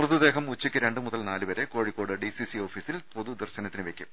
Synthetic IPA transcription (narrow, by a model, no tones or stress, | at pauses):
rɐðɨd̪e̞ːɦɐmut͡ɕːikʲːɨɾe̞ɳɖɨmuðɐlnaːlɨʋɐɾe̞ko̞ːɻikːoːɽɨɖisisio̞ːfisilpo̞ðud̪ɐrɕɐnɐt̪ːinɨʋe̞kʲːum